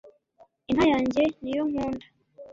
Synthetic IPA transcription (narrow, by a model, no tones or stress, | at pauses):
inhajaːɲɟe̞nijoŋ̥uːndḁ